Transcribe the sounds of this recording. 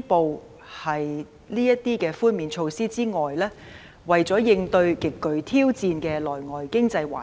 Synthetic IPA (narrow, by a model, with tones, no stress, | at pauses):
po˨˧w | hɐ˨j | liː˥jɐ˥t̚t̪ːiː˥kɛː˧fuː˥nmiː˨˧nt͡ʃʰo˧wsiː˥t͡siː˥ŋɔː˨jlɛː˥ | wɐ˨jt͡sɔː˨˥jɪ˧ŋt̪ɵ˧ɥkɪ˨kːɵ˨ɥt̪ʰiː˥wt͡siː˧nkɛː˧lɔː˨˩jŋɔː˨˩jkɪ˥ŋt͡sɐ˧jwa̰ː˨